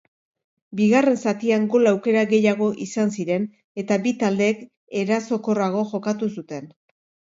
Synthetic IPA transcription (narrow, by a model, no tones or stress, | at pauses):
biɣare̞nsat̪iaŋɡo̞lawke̞ɾaɣe̞jaɣ̞o̞ʔisansiɾe̞n | e̞t̪abit̪ald̪e̞k | e̞ɾaso̞ko̞raɣ̞o̞ʝo̞kat̪usut̪e̞n